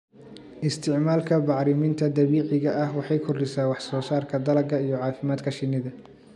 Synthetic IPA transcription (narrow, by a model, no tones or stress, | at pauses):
ʔɪst̪ʰɪʕmaːlkʰɐbɑʕɾɪmɪnt̪ʰɐd̪ɐβiːʕɪɣɐʔɐhwɑħɑjkʰɔrdɪsaːwɑħsɔːsaːrkʰɐd̪ɐlɐɡɐijɔʕɑːfɪmaːd̪kʰɐʃɪnːɪðɐ